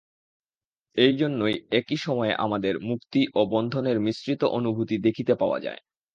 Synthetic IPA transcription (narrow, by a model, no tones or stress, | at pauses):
ejd͡ʑonːojekiʃɔmɔeʔa̰mad̪eɾmukt̪iʔobɔnd̪ʱoneɾmisɾit̪oʔonubʱut̪id̪ekʰit̪epaoa̰d͡ʑa̰e